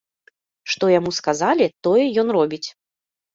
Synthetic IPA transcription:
ʂt̪ɔjamuskazalʲit̪ɔjɛjɔnrɔbʲit͡sʲ

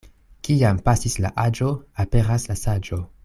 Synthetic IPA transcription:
kiampasisla̰ʔad͡ʒo̞ape̞ɾaslasad͡ʒo̞

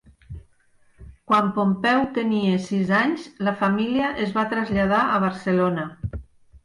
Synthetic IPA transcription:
kwampompɛwt̪eniesizaɲzlafamiliəʔezβat̪ɾazʎaðaʔəβ̞əɾselona

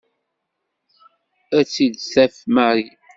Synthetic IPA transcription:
æt͡sːid̪θæfmaɾi

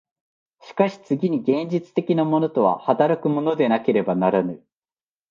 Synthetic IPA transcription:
ɕi̥kaɕi̥t͡sɨɡʲiɲ̟iɡẽ̞ɲd͡ʑit͡sɨ̥t̪e̞kʲinamo̞no̞t̪o̞βa̰hat̪aɾakɯ̟mo̞no̞d̪e̞nake̞ɾe̞banaɾanɯ

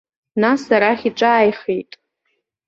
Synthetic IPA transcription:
nasaɾaχʲiʈ͡ʂʷʼaːjχejtʼ

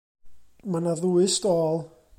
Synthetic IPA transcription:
manaðuɨstɔːlˠ

